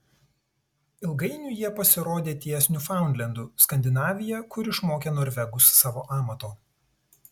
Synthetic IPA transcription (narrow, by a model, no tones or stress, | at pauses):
ɪlˠɡɐɪnʲuːˑjiɛpɐsʲɪɾoːd̪ʲeːt̪ʲiːɛsʲnʲufɑˑʊnd̪ʲlʲɛnd̪uskɐnʲd̪ʲɪnɑːʋʲɪjɛkʊɾɪʃmoːkʲeːnoːɾʲʋʲɛɡʊsːɑːʋoːʔɑːmɐt̪oː